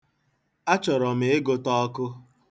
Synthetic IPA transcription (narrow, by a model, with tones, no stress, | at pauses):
a˦t͡ʃɔ˨ɾɔ˨m̩e˨˦e˦ɡo˦tɔ˦kʊ˦